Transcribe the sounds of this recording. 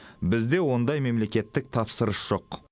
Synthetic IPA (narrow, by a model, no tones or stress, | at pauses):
bɪzd̪e̞wo̞nd̪ɑjme̞mle̞kʲe̞t̪ːɪk̚t̪ʰɑpsəɾəsʒ̥o̞q